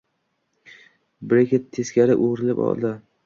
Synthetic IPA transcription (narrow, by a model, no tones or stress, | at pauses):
bɾekʲet̪ʰeskʲaɾɪʔoʁɾɪlɪpɒ̰lˠd̪ɪ